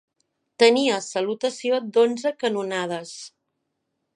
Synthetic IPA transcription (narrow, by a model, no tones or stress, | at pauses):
t̪əniəsəlut̪əsiod̪onzəkənunað̞əs